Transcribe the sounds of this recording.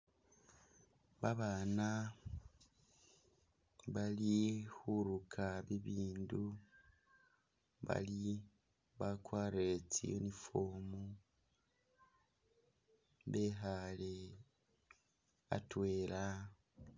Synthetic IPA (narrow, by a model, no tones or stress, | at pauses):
βaβaːna | βalihuɾukʰaβiβiːndu | βa̰li | βakwaːɾet͡sḭo̰nifoːmu | βe̞ɦale̞ | a̰twe̞ːɾa